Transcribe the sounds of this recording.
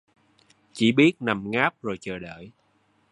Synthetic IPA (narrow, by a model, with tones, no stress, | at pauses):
t͡ɕḭ˧˩˦ɓi˦˥ət̚na˨˩mŋaː˦˥p̚zo˨˩jt͡ɕəː˨˩ɗə̰ː˧˨j